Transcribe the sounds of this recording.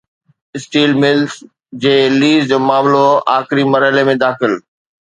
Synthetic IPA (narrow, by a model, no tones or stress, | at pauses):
ɪsʈiːlmɪlz | d͡ʑeːliːzd͡ʑoːmaːmloa̰ːxɪɾimɐɾəɪlemẽd̪aːxɪl